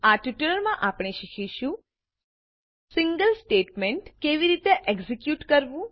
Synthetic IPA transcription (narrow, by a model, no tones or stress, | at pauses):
aʈjuʈələɾmãʔapɽ̃eʃikʰiʃũ | siŋɡəlsʈeʈmeɳʈkeʋiɾit̪eʔeɡzikjuʈkəɾʋũ